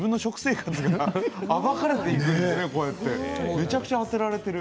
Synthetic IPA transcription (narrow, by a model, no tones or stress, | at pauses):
bɯ̃nːo̞ɕo̞kɯ̟̥se̞ːkat͡sɨɡaaβakaɾe̞t̪e̞ikɯ̃ndeene̞ko̞et̪ːe̞me̞t͡ɕakɯ̥t͡ɕaat̪eɾaɾe̞t̪e̞ɾɯ̟